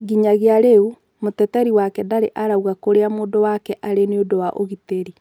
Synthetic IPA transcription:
ɡiɲaɣeaɾeu | motɛtɛɾiwakɛdaɾeʔaɾauɣakoɾeamoːdowakɛʔaɾeneodowaʔo̰ɣiteɾi

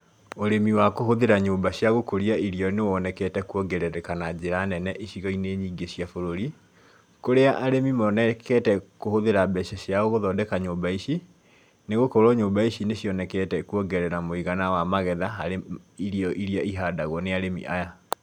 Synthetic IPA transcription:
oɾemiwakoɦoðeɾaɲoːmbaɕjaɣokoɾiaiɾiɔnewɔnɛkɛtɛkuɔɡɛɾɛɾɛkanad͡ʑeɾanɛnɛʔiɕiɣɔineːɲiːɡeɕiafoɾoɾi | koɾeaʔaɾemimɔnɛkɛtɛkohoðeɾabɛɕɛɕjaoɣoðɔdɛkaɲoːmbaiʃi | neɣokoɾɔɲoːmbaiɕineɕjɔnɛkɛtɛkuɔɡɛɾɛɾamoiɣanawamaɣɛðaɦaɾeiɾijɔʔiɾiaiɦaːdaɣwɔneaɾemḭʔaja

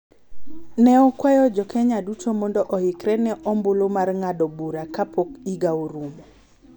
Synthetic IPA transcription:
nɛɔkwajɔd͡ʒɔkʰɛɲadutʰomɔndɔʔɔhɪkɾɛnɛʔɔmbolomarŋadɔbuɾakapʰokiɡaoɾumo

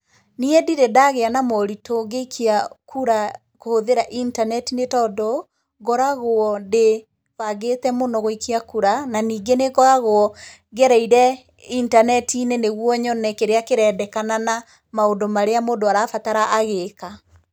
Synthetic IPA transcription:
niɛdiɾedaɣeanamɔɾitoŋɡeikʰiakʰuɾa | kohoðeɾaʔintanɛtinetɔːdɔ | ɡɔɾaɣoɔde | βaɡetɛmonɔɣoikiakuɾananiːɡeneɣɔɾaɣoɔ | ɡɛɾɛiɾɛ | intanɛtiːneneɣwɔɲɔnɛkeɾeakeɾɛːdɛkanana | maondomaɾeamoːndoaɾaːfataɾaʔaɣeka

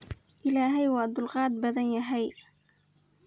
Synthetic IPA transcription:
ʔɪlaːɦajwaʔd̪ʊlɣɑːd̪̚bad̪anjaɦaj

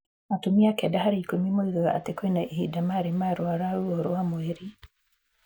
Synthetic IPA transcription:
atumiakɛdaɦaɾiikumimweɣaaa̰tekwɛnaʔihidamaɾimaɾwaɾaɾuɔɾɔwamweɾi

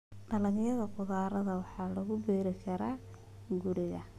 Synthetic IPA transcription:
ɖɐlɐnjɐðɐqʊðaːɾɐðɐwɑħɑːlɐɣʊbɛːɾɪkʰɐɾaː | ɡʊɽɪɣɐ

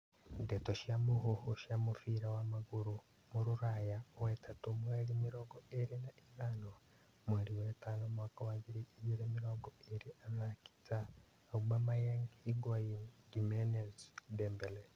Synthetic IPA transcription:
detoʃiamuhohoʃamufiɾawamaɡuɾu | muɾuɾajawetʰatumweɾimiɾoːɡoeɾinaʔiβano | mweɾiwetaːnomwaːkawaβiɾiːiɾemiɾoːɡoeɾiaβaki̥t͡saː | uɡamajeŋhiɡajiɡimenezdeːmbele

